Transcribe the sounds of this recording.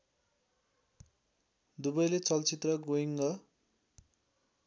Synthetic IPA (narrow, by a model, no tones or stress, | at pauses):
d̪ubʌjlet͡sʌlt͡sit̪rʌɡoiŋɡʌ